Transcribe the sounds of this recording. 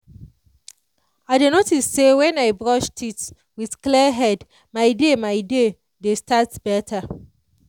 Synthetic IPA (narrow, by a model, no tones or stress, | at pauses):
adenotissewɛ̃naɪbɹɔʃtʰit | wið̥klɛɦɛd | maɪdemaɪde | destʰatb̥ɛtʰa